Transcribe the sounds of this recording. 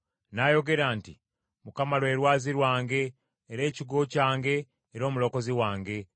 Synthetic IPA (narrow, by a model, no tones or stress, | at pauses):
najo̞ɡe̞ɾaːnti | mukamalwe̞ːɾwaːziɾwaːŋɡe̞ː | ɾe̞ːciɡo̞caːŋɡe̞ː | ɾo̞ːmulo̞ko̞ziwaːŋɡe̞